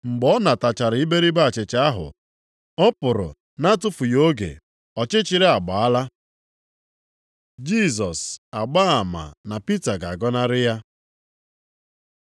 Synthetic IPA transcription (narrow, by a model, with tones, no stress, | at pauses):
ŋ͡m̩˨ɡ͡bɔ˦na˨ta˨t͡ʃa˨ɾɪ˨˦ɪ˦be˦ɾi˦ba˦˨t͡ʃɪ˨t͡ʃa˦a˦ɦʊ̰˨ | ɔ˦pʊ˨ɾʊ̰˨ | na˦tʊ˦fʊ˨jo˦ɡḛ˨ | ɔ˨t͡ʃɪ˦t͡ʃɪ˨ɾɪ˦a˨ɡ͡ba˨a˦la˦ | d͡ʒi˦˨s̬ɔ˨sa˨ɡ͡ba˦a˨ma̰˨na˨pi˦ta˨ɡa˨ɡɔ˦na˦ɾɪ˦ja˦